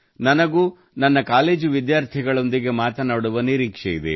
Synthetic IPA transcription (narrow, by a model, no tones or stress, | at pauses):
nɐnɐɡuː | nɐnːɐkaːle̞ːd͡ʒuʋid̪jaːɾt̪ʰiɡɐɭo̞nd̪iɡe̞maːt̪ɐnaːɽuʋɐniɾiːkʂejid̪ḛ